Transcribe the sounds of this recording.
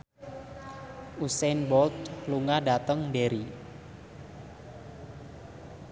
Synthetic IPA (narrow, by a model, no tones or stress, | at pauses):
ʔusɛnbɔlt̪̚pluŋadat̪əŋdeɾi